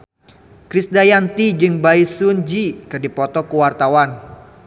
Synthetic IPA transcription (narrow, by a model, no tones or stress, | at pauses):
kɾisdajant̪id͡ʒɨŋbaisund͡ʒikɨrdipɔt̪ɔkuwart̪awan